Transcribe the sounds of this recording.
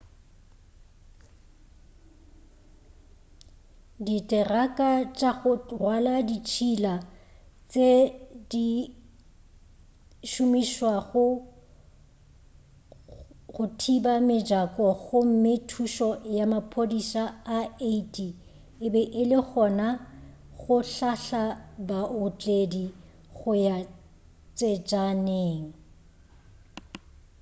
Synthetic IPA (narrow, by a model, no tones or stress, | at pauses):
ditʼɛrakʼat͡ʃʼaɣʊrwaladit͡ʃʰilat͡sʼedi | ʃʊmiʃwaɣʊ | ɣʊtʰibamɪd͡ʒakʼɔɣʊm̩mɪtʰuʃɔjamapʰodisaaeitʼi | ɪbɛʔɪlɪɣɔna | ɣʊɬaɬabaʊt͡ɬʼedi | ɣʊja | t͡sʼed͡ʒaneːŋ̩